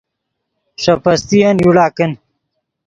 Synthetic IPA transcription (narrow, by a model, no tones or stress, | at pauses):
ʂɐpɐst̪ijɐnjuɽaːkɐn